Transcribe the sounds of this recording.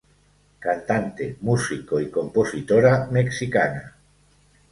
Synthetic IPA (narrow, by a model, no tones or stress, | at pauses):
kant̪ant̪emusikoikomposit̪oɾameksikana